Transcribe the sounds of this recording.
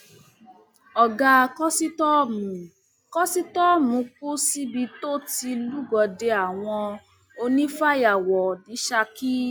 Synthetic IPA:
ɔ˨ɡa˧kɔ˦si˦tɔ˦mũ˨˦ | kɔ˦si˦tɔ˦˨mũ˨˦k͡p̚u˦si˦bi˧to˦ti˧lu˦ɡɔ˨de˧a˨w̃ɔ̃˧ | o˧nĩ˦fa˦ja˨wɔ˨nĩ˨˦ʃa˧ki˦

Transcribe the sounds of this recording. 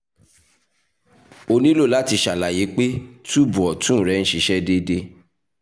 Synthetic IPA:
o˧nĩ˦lo˦˨la˨˦ti˧ʃa˨la˨ji˨˦k͡pe˦tu˦˨bu˨ɔ˨tũ˦˨ɾɛ˨˦ñ̩˦ʃi˧˦ʃɛ˦de˦de˦

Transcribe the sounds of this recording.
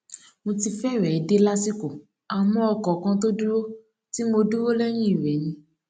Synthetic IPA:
mo˧ti˧fɛ˦˨ɾɛ˨i˨˦de˦la˦si˦ko˨ | a˨mɔ̃˨˧ɔ˧kɔ˨kã˧t̬o˦du˦ɾo˦ | ti˦mo˧du˦ɾo˦lɛ˦j̃ĩ˦i˦˨ɾɛ˨˦nĩ˧

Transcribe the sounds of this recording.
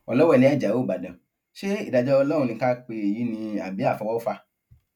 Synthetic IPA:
ɔ˧˨lɔ˦wɔ˦˨lẽ˨˦a˦˨d͡ʒa˨wo˦˨ba˨dã˨ | ʃe˦ḭ˨da˨d͡ʒɔ˧ɔ˧lɔ˦ɾũ˧nĩ˧˦ka˦k͡pe˧e˨ji˨˦nĩ˧a˨bi˨˦a˦˨fɔ̃˨˧wɔ˦o˦fa˧

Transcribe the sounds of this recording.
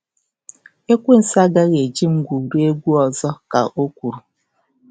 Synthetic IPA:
e˦kʷe˦n̩˨sa˦ɡa˦ɣe˨d͡ʒi˦m̩˦ɡʷu˨ɾu˦e˦ɡʷu˦ɔ˨zɔ˦ka̰˨ʔo˦kʷu˨ɾu˨

